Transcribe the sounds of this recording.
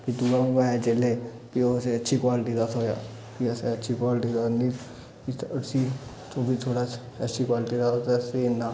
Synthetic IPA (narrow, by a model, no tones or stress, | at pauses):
pʰit̪uːɡamẽbaːet͡ʃele | pioːseətːʃʰikwaːlʈid̪at̪oːja̰ː | piəseətːʃʰikwaːlʈid̪aniː | isi | t͡ʃõːbʱit̪ʰoːɽaː | ətːʃʰikwaːlʈid̪aot̪esenːaː